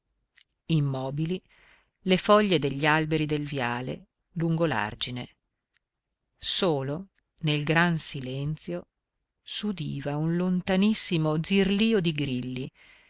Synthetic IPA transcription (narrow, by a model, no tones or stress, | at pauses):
imːɔːbili | lefɔʎːed̪eʎːalbeɾid̪elvjaːlḛ | luŋɡola̰rd͡ʒine | soːlo | nelɡɾansilɛnt̪sjo | sud̪iːvaunlont̪anisːimod̪zirliːod̪iɡɾilːi